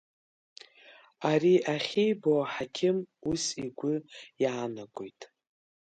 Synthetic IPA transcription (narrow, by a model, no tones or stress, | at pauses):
aɾiʔaχʲijboaħakʲʰɪmusiɡʷʊjaːnakʷʼojtʼ